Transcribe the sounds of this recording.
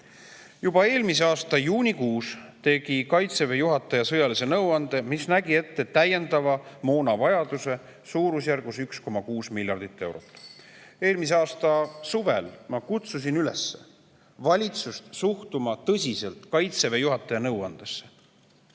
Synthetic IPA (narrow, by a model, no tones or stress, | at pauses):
jubɑe̞ːlmiseɑːst̪ɑjuːnʲikuːst̪e̞ɡ̥ikɑjt̪se̞ve̞juɦɑt̪ːˑɑjɑsɤjɑlise̞nɤwɑnd̪̥e̞misnæɡie̞t̪ːe̞t̪æjːe̞nd̪̥ɑvɑmo̞ːnɑvɑjɑd̪̥use̞ | suːɾusjærɡ̥usyksko̞mɑkuːsmilʲjɑrd̪̥it̪ˑːe̞wɾo̞̰t̪ːˑe̞ːlmis̬e̞ɑːst̪ɑsuve̞lmɑkut̪sus̬inylesːe̞̥̰ | vɑlʲit̪sust̪suht̪umɑt̪ɤsʲise̞lt̪ˑkɑjt̪se̞ve̞juɦɑt̪ːˑɑjɑnɤwɑnd̪̥e̞sːe